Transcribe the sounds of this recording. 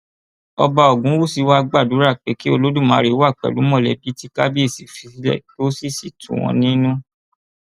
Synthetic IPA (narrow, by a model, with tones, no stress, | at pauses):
ɔ̰˧ba˧ɔ˨ɡũ˨˦wu˦˨si˧wa˦˧ɡ͡ba˦˨du˨˦ɾa˦˨k͡pe˨˦ki˦o˧lo˦dũ˦˨mãː˨˦˧ɾe˨˦wa˦˨k͡pɛ̰˨lu˨˦mɔ̃˦˨lɛ˨bi˨˦ti˦ka˦bi˦e˦˨si˨fi˧i˧˦lɛ̰˦˨to˦si˦˨si˨tṵ̃˨w̃ɔ̰̃˧nĩ˦nũ˦